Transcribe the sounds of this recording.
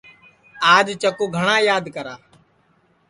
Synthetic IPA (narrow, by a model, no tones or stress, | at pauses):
aːd͡ʒt͡ʃəkuːɡʱəɳãːjaːd̪kəɾaː